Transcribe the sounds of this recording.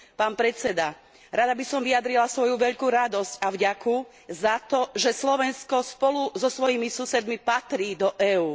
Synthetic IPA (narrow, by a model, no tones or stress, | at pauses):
paːnpɾɛt͡sɛd̪a | ɾad̪abisɔmʋiad̪ɾilasʋɔjuʋɛʎkuɾad̪ɔscavɟaku | zat̪ɔʒɛslɔʋɛnskɔspɔluzɔsʋɔjimisusɛd̪mipat̪ɾiːd̪ɔʔɛːuː